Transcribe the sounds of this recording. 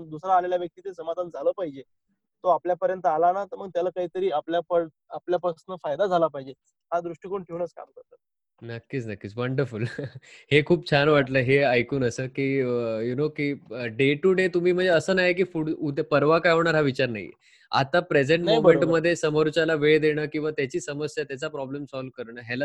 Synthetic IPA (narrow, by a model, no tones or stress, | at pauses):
d̪usɾaːleljaʋjək̚t̪iːt̪esəmad̪ʱand͡zʱaləːpaɦid͡ʑe | t̪oapljapəɾjənt̪əalanat̪əɾməɡ̚t̪jalakaɦiːt̪əɾiːapljapəɾ | apljapɾəsnəfajd̪ad͡zʱalapaɦid͡ʑe | ɦad̪ɾuʂʈikəɳʈʰeʋunət͡ska̰mkəɾt̪at̪̚ | nəkːiːt͡snəkːiːt͡sʋəɳɖəɾfulhekʰuːb̚t͡ɕʰanʋaʈləːɦeajkuːnəsəːkiːjunokiːɖeʈuɖet̪um̤iːm̤əɳd͡zeəsəːnaɦek̬iːfuɽupəɾʋakajaʋɳ̃aɾɦaʋit͡ɕaɾna̰ɦḭ | a̰t̪apɾed͡zeɳʈmumẽɳʈməd̪ʱːjesəməɾut͡ɕalaʋeɭd̪eɽ̃əːkĩw̃ʋat̪jat͡ɕiːsəməsjat̪jat͡sapɾɔblemsɔlʋkəɾɳəːɦɛla